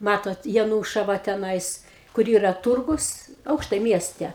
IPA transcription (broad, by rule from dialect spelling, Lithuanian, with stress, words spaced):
ˈmɑːtoːt jɛˈnuːʃɐʋɐ tʲɛˈnɐɪs kʊr ˈiːrɐ ˈtʊrɡʊs ˈɐʊkʃtɐɪ ˈmʲiɛsʲtʲɛ